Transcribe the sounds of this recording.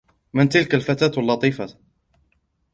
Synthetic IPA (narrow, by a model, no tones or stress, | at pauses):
mɪnt̪ɪlkalfat̪aːt̪alːɑt̪ˤiːfa